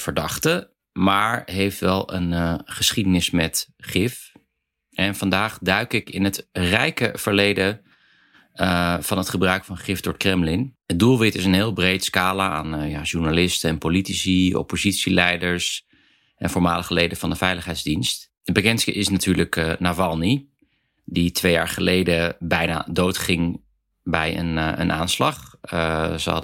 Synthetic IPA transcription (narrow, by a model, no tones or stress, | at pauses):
fəɹdɑχtə | maːɹɦejftʋɛlˠə̰nχəsχidənɪsmɛtχɪf | ʔɛnvɑndaːχdœɥkɪkɪnɦətrɛjkəv̥əɹlejdə | v̥ɑnɦətχəbrœɥkfɑnχɪfdʊɹtkrɛmlɪnədulˠʋɪtɪsənɦɪːlˠbrejtskaːlaaːnjaʒuɹnalɪstəɛnpolitisiɔ̰pozitsilɛjdəɹs | ʔɛnfɔɹma̰ːləχəlejdəvɑndəvɛjləχɦɛjdzdinst | bəkɛnskəʔɪsnatʰyːɹləknavɑlˠni | ditʋejaːɹχəlejdəbɛjna̰ːdowtχɪŋ | bɛjə̰nə̰nʔa̰ːnslɑχ | zə̰ɑ̰